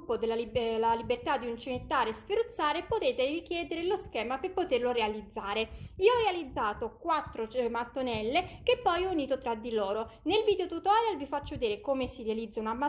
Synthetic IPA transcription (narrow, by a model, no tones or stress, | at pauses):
pːod̪elːailalibert̪ad̪ːiunt͡ʃimet̪ːaːɾesfiɾut̪sːaːɾepot̪eːt̪erik̟jɛːd̪eɾeloskɛːmaperpot̪erloɾealid̪zːaːɾeiːoɔrːealid̪zːaːt̪okwat̪ːɾot͡ʃmat̪ːonɛlːek̟epːɔjɔuniːt̪ot̪ɾad̪ːiloːɾonelviːd̪eot̪ut̪analvifat͡ʃːoed̪iːɾekomesiɾealid̪zːaunama